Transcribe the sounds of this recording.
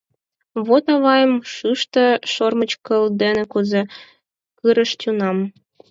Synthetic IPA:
βot̪ɑβɑjəmʃɯʃt̪ə̆ʃormət͡ɕkəld̪enĕkuze | kɯɾəʃt̪ʲunɑm

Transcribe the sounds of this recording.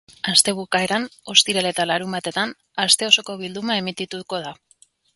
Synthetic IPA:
ast̪e̞β̞ukae̞ɾano̞st̪iɾele̞t̪alaɾumbat̪e̞t̪an | ast̪e̞o̞so̞ko̞βild̪umae̞mit̪it̪uko̞ð̞a

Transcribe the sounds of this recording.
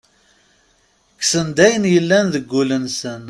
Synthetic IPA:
ksənd̪æjənjəlːænðəɡʷːulənsən

